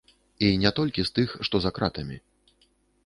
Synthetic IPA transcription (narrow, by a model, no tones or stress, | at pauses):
inʲɛt̪ɔlʲkʲist̪ɨxʂt̪ɔzakɾat̪ɐmʲi